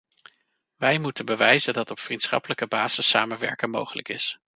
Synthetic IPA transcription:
ʋɛjmutənbəʋɛjzəndɑtɔpfrintsχɑ̰pələkəbaːz̥əsa̰ːmənʋɛ̰ɹkəmo̰wχələkɪs

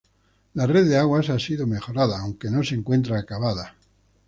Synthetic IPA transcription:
lare̞ððeaɣwasasiðo̞me̞xo̞ɾaðaːwŋke̞no̞seŋkwe̞nt̪ɾaːkaβaða

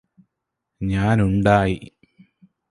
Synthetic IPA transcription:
ɲaːnuɳɖaːji

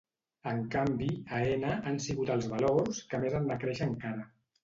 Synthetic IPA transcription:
əŋkambiaenəʔansiɣut̪əlˠzβalorskəmezand̪akɾɛʃəŋkaɾə

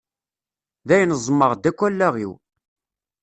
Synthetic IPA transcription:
ðæjnəzˤməʁd̪ækʷːælːæʁḭw

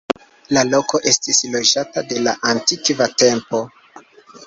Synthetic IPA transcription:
lalo̞ko̞ʔe̞stislo̞d͡ʒatade̞laʔantikvate̞mpo̞

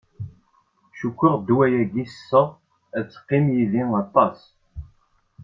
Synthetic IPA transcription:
ʃukʷːiʁd̪wæjæɡisːə | æt͡sːqːimjiðiŋɑt̪ˤɑs

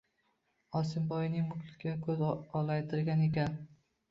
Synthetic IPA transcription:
ɒsɪmbɒjnɪŋmʊklɪ̥kʲʰːakʰɵzɒlˠajt̪ʰɪɾɡʲane̞kʲan

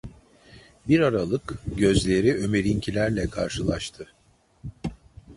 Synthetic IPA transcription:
biɾaɾalˠɯkɟø̞zlʲe̞ɾiø̞me̞ɾincʰilʲæɾlʲɛkʰa̰ɾʃɯlˠaʃt̪ʰɯ

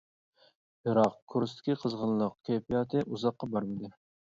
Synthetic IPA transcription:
bɪɾɑqkʰuɾst̪ʰɪ̥kʲʰiqʰəzʁənlˠəq̚kʲʰejpijɑːt̪ʰɨʔuzɑqːɑbɑɾmɨd̪ɨ

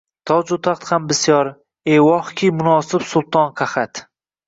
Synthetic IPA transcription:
t̪ʰɒd͡ʒʊt̪ʰaχt̪hambɪsjɒɾ | ewɒχkʲʰimʊnɒːsɪpsʊlˠt̪ʰɒnqʰɑχat̪

